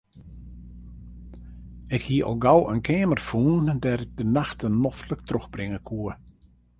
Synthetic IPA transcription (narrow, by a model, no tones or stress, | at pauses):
ɪkhiəʔɔ̰lˠɡawənkʰeːmərfuːndɛːɾɪɡ̚dənaxtənːɔftlək̚trøxbrɪŋəkʰuə